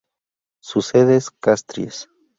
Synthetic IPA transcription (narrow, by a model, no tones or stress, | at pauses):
suseðeskast̪ɾjḛs